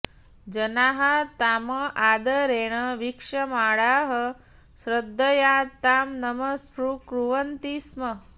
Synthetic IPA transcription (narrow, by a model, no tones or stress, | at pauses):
d͡ʒɐnaːɦɐt̪aːmɐʔaːd̪ɐɾeːɽ̃ɐʋikʂɐmaːɽaːɦɐ | sɾɐd̪ʱːɐjaːt̪aːmnɐmɐspɾukɾuʋɐnt̪ismɐ